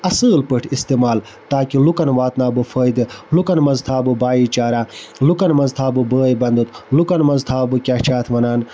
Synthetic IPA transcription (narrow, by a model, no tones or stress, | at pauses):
ɐsɨːlpəʈʰist̪eːmaːl | t̪aːkilukɐnʋaːt̪naːbɨfəːjd̪ɨlukɐnmɐzt̪ʰaːbɨbaːjiːt͡ʃaːɾaːlukɐnmɐzt̪ʰaːbɨbəːjbɐnd̪ut̪ʰlukɐnmɐzt̪ʰaːbɨkʲaːt͡ʃʰaːt̪ʰʋɐnaːn